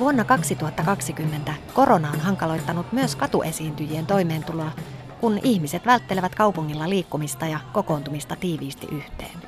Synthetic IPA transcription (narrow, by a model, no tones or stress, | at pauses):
ʋuonːɑkɑksit̪uhɑt̪ːɑkɑksikymːe̞nt̪æko̞ɾo̞nɑonɦɑŋkɑlo̞jt̪ːɑnut̪myøskɑt̪uʔe̞siːnt̪yjient̪o̞jme̞ːnt̪uloɑ | kuniçmise̞t̪ʋælt̪ːe̞leʋæt̪kɑupuŋːilːɑliːkːumist̪ɑjɑko̞ko̞ːnt̪umist̪ɑt̪iːʋiːst̪ḭʔyht̪ḛːn